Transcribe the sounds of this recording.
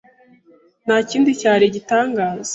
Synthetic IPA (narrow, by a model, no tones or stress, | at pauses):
naːciːndicaːɾeɟitaːŋɡaːz̥e